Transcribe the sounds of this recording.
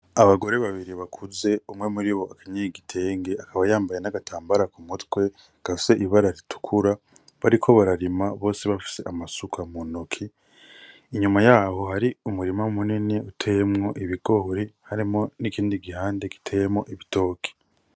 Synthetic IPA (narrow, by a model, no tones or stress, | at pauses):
aβaɡo̞ɾe̞βaβiɾiβakʰuze̞umŋe̞muɾiβo̞akaɲeiɡitʰe̞ːŋɡe̞akaβajaːmbajenaɡatʰaːmbaɾakumutkwe̞ | ɡ̥afi̥se̞ʔiβaɾaɾitu̥kʰuɾa | βaɾikʰo̞βaɾaɾimaβo̞ːseβafi̥se̞ʔamasukʰamunokʰiː | ɲumajaho̞haɾiumuɾimamuniniutʰe̞jemŋo̞ʔiβiɡo̞ɾihaɾimo̞nikiːndiɡihaːnde̞ki̥tʰejemo̞ʔiβito̞ːkʰi̥